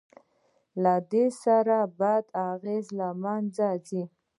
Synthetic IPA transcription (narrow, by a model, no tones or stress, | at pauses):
lad̪esaɾabad̪aɣezlamand͡zazi